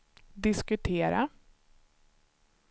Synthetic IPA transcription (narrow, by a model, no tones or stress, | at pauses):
d̪ɪskɵt̪ʰeːɾa̰